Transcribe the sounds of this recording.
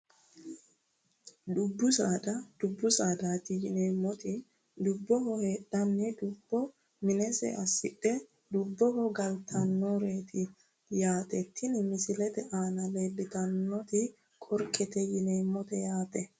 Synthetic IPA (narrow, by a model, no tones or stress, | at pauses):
d̪ʊbːʊsaːd̪ɐd̪̥ʊbːʊsaːd̪aːt̪ɪjɪneːmːɔt̪ɪ | d̪ʊbːɔhɔhe̞ːɗːɐnːɪd̪ʊbːɔ | mɪnɛsɛ̰ʔɐsːɪᶑːɛ | d̪ʊbːɔhɔɡɐlt̪ʰɐnːoɾeːt̪ʰɪ | jaːt̪ʼɛt̪ːɪnɪmɪsɪlɛt̪ɛʔaːnɐleːdɪt̪ɐnːɔt̪ɪ | kʼɔɾkʼːɛt̪ɛjɪneːmːɔt̪ɛjaːt̪ʼɛ